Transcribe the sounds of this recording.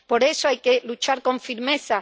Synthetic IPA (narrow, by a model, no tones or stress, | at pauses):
po̞ɾe̞soajkelut͡ʃaɾkõ̞ɱfiɾme̞θa